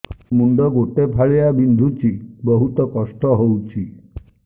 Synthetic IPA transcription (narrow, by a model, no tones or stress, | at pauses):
muɳɖɔɡoʈepʰaɭejabind̪ʱut͡ʃibɔɦut̪ɔkɔsʈɔɦowt͡ʃʰi